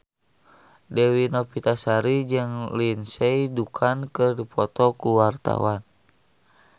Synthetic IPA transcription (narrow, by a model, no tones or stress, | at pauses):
dɛwinɔpit̪asaɾid͡ʒɨŋlinsɛidukʰankərdipʰɔt̪ɔkuwart̪a̰wan